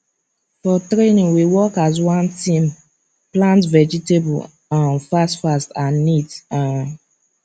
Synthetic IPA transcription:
fɔtɾenĩŋwiwɔkazwãntĩm | plãntvɛd͡ʒiteb̰ | ãnfastfastãnːita

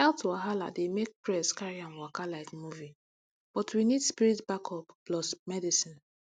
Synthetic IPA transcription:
ɛltʰuaɦala̰demek̚pɹɛskaɹiãnwakalaɪtmuvi | b̥ɔtwinidspiɹitbakʰɔpplɔsmɛdisĩn

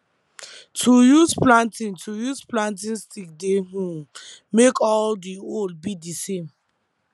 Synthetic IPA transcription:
tʰujusplãntĩntʰujuzplãnt̬ĩnstik̚deɦũmekɔldiold̚bidisẽm

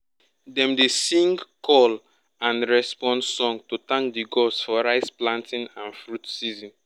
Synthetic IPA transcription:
dɛ̃mdesĩŋɡkʰɔl | ãnɹɛspɔ̃ndsɔ̃ŋɡtutãŋkdiɡɔsfɔɹaɪsplãntʰĩnãnfɹutsizĩn

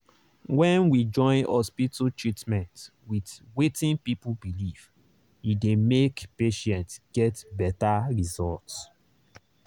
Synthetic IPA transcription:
wɛ̃nwid͡ʒɔ̃ɪ̃nhɔspitotɹitmɛ̃ntwidwetĩnpipubiliv | idemekpeʃɛ̃ntɡ̥ɛtbɛtaɹizɔlts

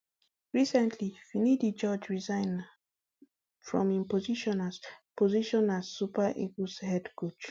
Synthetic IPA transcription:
ɹisɛ̃ntʰlifinidid͡ʒɔd͡ʒɹizãɪ̃n | fɹɔ̰̃mĩmpɔziʃɔ̃nazpɔziʃɔ̃nazupaʔḭɡushɛdɡut͡ʃ

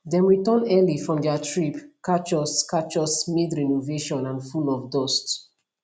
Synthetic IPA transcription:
dɛ̃mɹitɔ̃nɛlifɹɔ̃mdɛatʰɹipkat͡ʃɔskat͡ʃɔsmidɹɛnoveʃɔ̃nãnfulɔfdɔst

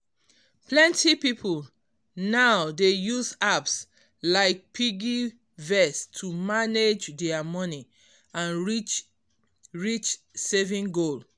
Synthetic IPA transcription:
plɛ̃ntʰipipʰul | naʊdejuzaps | laɪk̚pʰiɡi | vɛstʰumaned͡ʒdɛamɔni | ãnit͡ʃ | ɹit͡ʃ | sevĩŋɡol

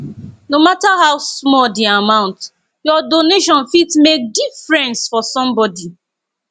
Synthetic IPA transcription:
nomataɦaʊsmɔdiamãʊ̃nt | jɔdoneʃɔ̃nfitmek̚difɹɛ̃nsfɔsɔ̃mbɔdi

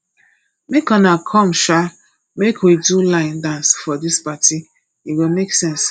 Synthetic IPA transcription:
mekɔnakʰɔ̃mʃa | mekʰwidulãɪ̃ndãnsfɔdispati | iwimeksɛ̃ns

